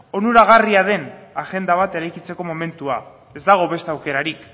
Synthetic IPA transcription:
o̞nuɾaɣ̞ariað̞e̞naʝe̞nd̪aβ̞at̪e̞ɾajkit͡se̞ko̞mo̞me̞nt̪ua | e̞zd̪aɣ̞o̞βe̞st̪eawke̞ɾaɾik

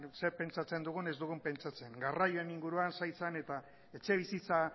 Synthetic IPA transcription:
se̞ɾpe̞nt͡ʃat͡se̞nd̪uɣ̞une̞zd̪uɣ̞umpe̞nt͡ʃat͡se̞ŋɡarajoe̞niŋɡuɾuansajt͡sane̞t̪a | e̞t͡ʃe̞β̞isit͡sa

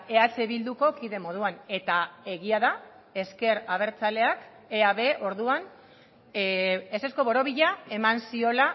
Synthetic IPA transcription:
e̞at͡seβild̪uko̞kiðe̞mo̞ð̞uane̞t̪ae̞ɣiaða | e̞ske̞ɾaβ̞e̞ɾt͡sale̞ak | eaβe̞o̞ɾðuan | ese̞sko̞βo̞ɾo̞βiʎae̞mansio̞la

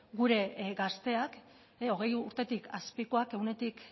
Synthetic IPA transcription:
ɡuɾe̞ɡast̪e̞ak | o̞ɣ̞e̞juɾt̪e̞t̪ikʰaspikoakeune̞t̪ik

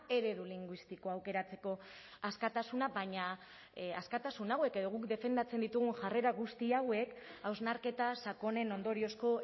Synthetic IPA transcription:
e̞ɾe̞ðuliŋɡwist̪iko̞awke̞ɾat͡se̞ko̞ | askat̪asunabajɲa | askat̪asunawe̞ke̞ðo̞ɣukd̪e̞fe̞nd̪at͡se̞nd̪it̪uɣ̞unʝare̞ɾaɣust̪iawe̞kawznaɾke̞t̪asako̞ne̞no̞nd̪o̞ɾio̞sko̞

